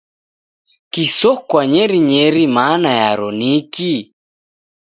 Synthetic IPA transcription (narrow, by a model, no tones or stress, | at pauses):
kisɔkwaɲɛɾiɲɛɾimanajaɾɔniki